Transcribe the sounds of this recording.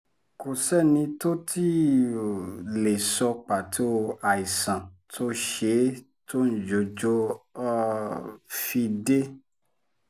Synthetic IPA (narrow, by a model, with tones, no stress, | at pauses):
ko˨sɛ˦˨nĩ˧to˦tʰi˦ | le˨sɔ˧k͡pa˨tʰo˦a˨i˨sã˨tʰo˦ʃe˧˦ | tʰo˦n̩˨d͡ʒo˨d͡ʒo˧ɔ˧˦ | fi˧de˦